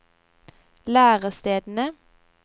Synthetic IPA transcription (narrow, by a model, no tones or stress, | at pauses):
læːʁəst̪eːd̪n̩ə